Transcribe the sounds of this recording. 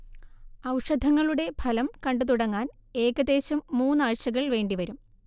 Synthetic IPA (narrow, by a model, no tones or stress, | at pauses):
ɐwʂɐd̪ʱɐŋːɐɭuɽe̞bʰʱɐlɐmkɐɳɖɨt̪uɽɐŋːaːne̞ːɣɐd̪e̞ːɕumːuːnːaːɻɕɐɣɐɭʋe̞ːɳɖiʋɐɾum